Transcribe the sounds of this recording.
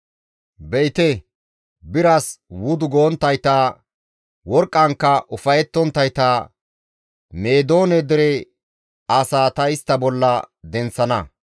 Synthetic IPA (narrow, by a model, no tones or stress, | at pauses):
bɛjt̪ɛ | bɪɾɐswʊd̪ʊɡoːnt̪ːɐjt̪aː | wɔɾkʼːɐŋkːɐʔʊfɐjɛt̪ːɔnt̪ːɐjt̪aː | me̞ːd̪o̞ːnɛd̪ɪɾɛ | asaːt̪ɐɪst̪ːɐbɔlːɐd̪ɛnt͡sːɐnɐ